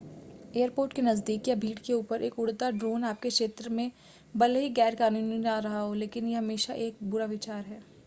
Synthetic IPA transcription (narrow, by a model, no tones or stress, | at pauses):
eːəɾpoːɾʈkenɐzd̪iːkjabʱiːɽkeuːpəɾʔeːkʊɽt̪aɖɾoːnaːp̚kekʃeːt̪ɾəmẽ | bɐlɦiɡɛːɾkaːnuːninaɾɐɦaɦoleːkɪnjeɦɐmeːʃaʔeːk̚bʊɾaʋɪt͡ʃaːɾɦɛː